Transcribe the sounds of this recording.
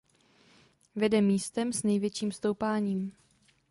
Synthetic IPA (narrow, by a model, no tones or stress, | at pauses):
vɛdɛmiːst̪ɛmsnɛjvjɛt͡ʃiːmfst̪owpaːɲiːm